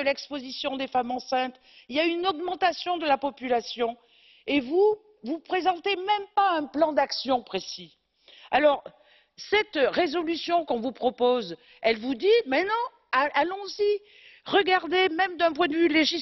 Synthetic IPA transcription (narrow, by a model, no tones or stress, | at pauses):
əlɛkspozisjɔ̃d̪efamɑ̃sɛ̃t̪ | iljaynɔɡmɑ̃t̪asjɔ̃d̪əlapɔpylasjɔ̃ | evu | vupχezɑ̃t̪emɛ̃mpaɛ̃plɑ̃d̪aksjɔ̃pχesi | alɔʁ | sɛt̪ʁezɔlysjɔ̃kɔ̃vupχɔpoz | ɛlvud̪imɛ̃nɑ̃ | aʔalɔ̃zi | ʁəɡaʁd̪emɛmd̪ɛ̃p̬wɛ̃d̪əvyleʒi